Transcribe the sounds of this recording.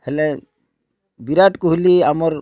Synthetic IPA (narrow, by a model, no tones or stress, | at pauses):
hɛlɛ | biɾaʈkuɦuliamɔɾ